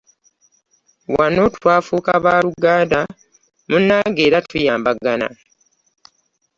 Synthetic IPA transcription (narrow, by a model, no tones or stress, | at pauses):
wano̞twaːfukaβaːluɡaːnda | munːaːŋɡe̞ːɾatʰujaːmbaɡana̰